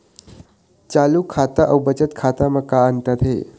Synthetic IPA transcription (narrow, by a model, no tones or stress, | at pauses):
t͡ɕaluːkʰat̪aʔəwbət͡ɕət̪kʰat̪aməkːaənt̪at̪ɦḛ